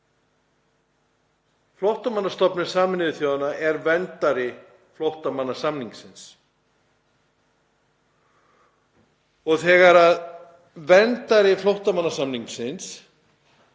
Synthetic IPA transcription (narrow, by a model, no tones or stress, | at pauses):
flɔwht̪amanːast̪ɔpnɪ̥saːmɪnɪðɪθjoːwðanaʔɛɾvɛnt̪aɾɪ | flowht̪amanːḁsamniŋksɪns | ɔɣθɛːɣaɾað | vɛnt̪aɾɪflowht̪amanːasamniŋksɪns